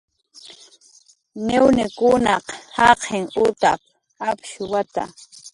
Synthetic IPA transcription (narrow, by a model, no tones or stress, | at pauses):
nɪwnɪkʊnɑqhɑqʰeŋʊt̪a̰p̚ | apʃʊwat̪a̰